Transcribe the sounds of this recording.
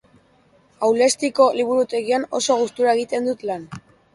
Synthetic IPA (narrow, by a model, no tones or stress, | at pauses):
awle̞st̪iko̞liβ̞uɾut̪e̞ɣiano̞̰so̞ɣ̞ust̪uɾae̞ɣ̞it̪e̞nd̪ut̪lan